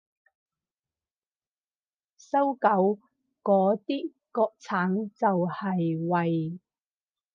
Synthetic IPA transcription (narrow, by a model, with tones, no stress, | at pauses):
sɐ˥wkɐ˨˧˥w | kɔː˨˥t̪iː˥ | kɔː˧k̚t͡sʰaː˨˥ŋt͡sɐ˨whɐ˨jwɐ˨j